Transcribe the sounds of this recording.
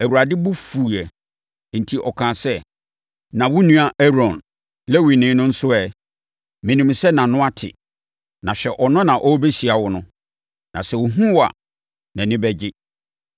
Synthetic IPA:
æ˨wu˨ɾa˨dɪ˦bʊ˦fuː˨ɛ˨ | n̩˨tʰi˨ʔɔ˨kʰã˨sɛ˦ | nã˨wʊ˦nũ˦a˨ʔɛ˦ɾɔ̃˨n | lɛ˦wi˨nɪ̃˨˦nʊ̃˦n̩˦sʊ˦ɛ˨ | mɪ̃˨nĩ˨msɛ˦nã˨nʊ̃˦a˦tʰɪ̰˨ | nã˨ɕᶣɛ˨ʔɔ˨nʊ̃˦nã˨ʔɔ˦be˦ɕi˨a˨wʊ˦nʊ̃˦ | nʔã̰˨sɛ˨wʊ˨ɦũ˦wa̰˨ | nã˨nɪ̃˦bɛ˦d͡ʑɪ˦

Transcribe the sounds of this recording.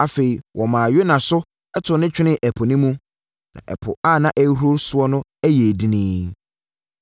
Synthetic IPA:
a˨fe˨i˨wʔɔ˨mã˨ɥe˦nã˨sʊ˦ | ɛ˦tʰʊ˨nɪ̃˦t͡ɕᶣɪ˦nɪ̃˦ʔæ˨pʰɔ˨nĩ˦mũ˦ | nã̰˨ʔɛ̰˨pʰʊ̰˨a˦˨nã˦ʔæ˦ɾo˦ɾsʊ˦ɔ˦nʊ̃˦æ˦jɛ˨di˨nĩː˦

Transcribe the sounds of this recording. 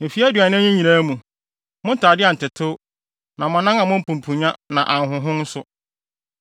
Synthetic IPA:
m̩˨fi˦æ˦dɥa˨nɪ̃˦ɲĩ˦ɲĩ˨ɾaː˦mũ˨ | mʊ̃˦n̩˦tʰaː˨dɪ˦a˨n̩˨tɪ˨tʰʊ˦ | nã˨mʊ̃˨nã˦ŋã˨mʊ̃˦m̩˦pʰũ˨m˨pʰũ˨ɲã˦nã˨ʔã˨ŋ˨ɦʊ̃˨ɦʊ̃˦n̩˦sʊ˦

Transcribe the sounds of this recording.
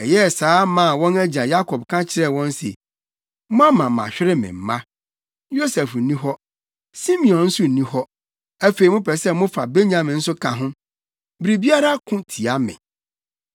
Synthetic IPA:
ɛ˨jɛ˦˨saː˨˦mã˨wɔ̃˦næ˦d͡ʑi˨ã˨ja˦kʰɔ˨b̚kʰã˦t͡ɕʰɪ˦ɾɛ˦˨wɔ̃˦nsḛ˨ | mʊ̃˦ã˦mã˨mã̰˨ɕᶣɪ˦ɾɪ˦mɪ̰̃˨m̩˨˦mã˦ | jo˦sɛ˨f̩˨˦nĩ˦ɦɔ˦ | sĩ˦mĩ˨ɔ̃˨nn̩˦sʊ˦n̩˨nĩ˦hɔ˦ | æ˦fe˨i˨mʊ̃˦pʰɛ˨sɛ˦mʊ̃˦fa˨be˦ɲã˨mɪ̃˨n̩˦sʊ˦kʰã˨ɦʊ̃˦ | bɾi˨bi˦a˦ɾa˦kʰʊ̃˦tʰi˨a˦mɪ̰̃˨

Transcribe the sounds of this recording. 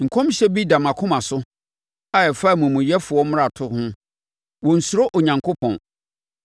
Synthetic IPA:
ŋ̩˨kʰɔ̃˦mɕɛ˦bi˦da˨mã˨kʰʊ̃˦mã˨sʊ˦ | a˦ɛ˨fa˦˨mũ˨mũ˨jɛ˦fʊ˨ɔ˦m̃˦a˨tʰʊ˦hʊ̃˦ | wɔ̃˨n̩˨su˨ɾo˦ʔɔ˨ɲã˨ŋkʰo˦pʰɔ̰̃˨n

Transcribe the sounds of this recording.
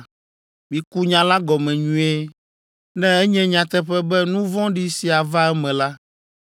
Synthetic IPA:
mĩ˨ku˦ɲã˨˦la˦ɡɔ˨mɛ̃˨ɲũ˦e˦ | nɛ̃˦ɛ˦ɲɛ̃˦ɲã˨t̪ɛ˦ɸɛ˦bɛ˦nũ˦vɔ̃˦ɖi˦si˨a˨va˦ɛ˦mɛ̃˨la˦

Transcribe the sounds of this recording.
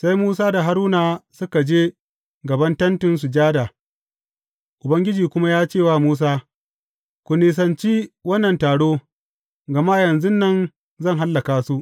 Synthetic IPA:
sa˦jmuː˦s̬aː˦da˨ɦa˦ɾuː˦naː˨sʊ˦ka˨d͡ʒeː˦ | ɡɐ˨bɐ˦ntɐ˦ntɪ˨ns̬u˨d͡ʒaː˦daː˨ | ʔʊ˨bɐ˦ŋɡʲɪ˦d͡ʒiː˨kʷʊ˦ma˦jaː˦t͡ʃeː˦˨waː˦˨muː˦s̬aː˦ | kʷʊ˨niː˨s̬ɐ˨nt͡ʃiː˦wɐ˦nːɐ˨ntaː˨ɽoː˦ | ɡɐ˨ma˦jɐ˨nzʊ˦nːɐ˦n | zɐ˦˨ŋɦa˦lːɐ˨kaː˨su˦ʔ

